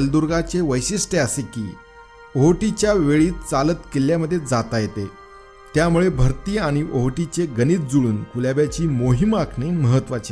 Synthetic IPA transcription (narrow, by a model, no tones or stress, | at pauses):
əld̪uɾɡat͡seʋəjɕisʈeəsekḭː | oɦʈit͡ɕjaʋeɭiːt̪t͡salət̪keljaməd̪ʱːjed͡zat̪ajet̪e | t̪jamuɭebʱəɾt̪iːaɽ̃iʔoɦʈit͡ɕeɡəniːt̪̚d͡zuɭuːnkuljabjat͡ɕiːmoɦimakʰneməɦət̪ːʋat͡ɕa